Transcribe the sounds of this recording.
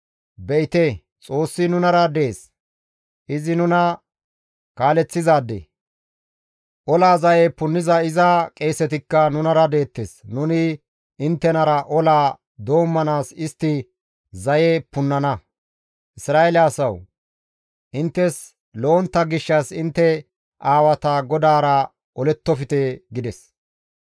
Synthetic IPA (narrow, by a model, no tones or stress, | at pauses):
bɛɪt̪eː | t͡sʼo̞ːsːɪnʊnɐɾɐd̪e̞ːs | ʔɪzɪnʊnɐ | kaːlɛt͡sːɪzaːd̪ḛ | ʔɔlaːzɐjepʊnːɪzɐɪzɐkʼe̞ːsɛt̪ɪkːɐnʊnɐɾɐd̪e̞ːt̪ːeːsnʊnɪ | ɪnt̪ːɛnɐɾɐʔɔlaː | d̪o̞ːmːɐnaːsɪst̪ːɪ | zɐjepʊnːɐnɐ | ʔɪsɾaːelɪɐsɐw | ʔɪnt̪ːɛs | lo̞ːnt̪ːɐɡɪʃːɐsɪnt̪ːɛ | ʔaːwɐt̪ɐɡɔd̪aːɾɐ | ɔlɛt̪ːɔfɪt̪eɡɪd̪ɛs